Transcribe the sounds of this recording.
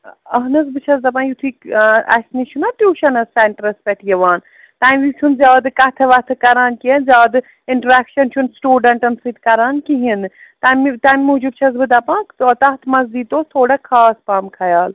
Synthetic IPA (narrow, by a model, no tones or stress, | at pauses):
ɐɦnɐs̬bɨt͡ʃʰɐzd̪ɐp̬ãːjut̪ʰikɐ̰sʲnit͡ʃʰunɐʈjuːʃɐnɐsːeɳʈɾɐspɛʈʰijɐʋaːn | t̪aːʋit͡ʃʰunzʲjaːd̪kɐt̪ʰɐʋɐt̪ʰɨkɐɾaːnkiɐnzʲjaːd̪ɨ | iɳʈɾakʃɐnt͡ʃʰunsʈjuːɖɐɳʈɐnsɨt̪kɐɾaːnkiɦin | t̪ɐmt̪ɐmʲmud͡ʒubt͡ʃʰɐzbɨd̪ɐpãːkɐt̪ɐt̪ʰmɐzd̪iːd̪oːt̪ʰoːɽɐkʰaːspaːmkʰɐjaːl